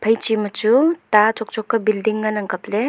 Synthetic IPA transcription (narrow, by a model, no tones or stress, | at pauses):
pʰajt͡ʃimɐt͡ʃutat͡ʃɔk̚t͡ʃɔkːabildiŋːanaŋkaple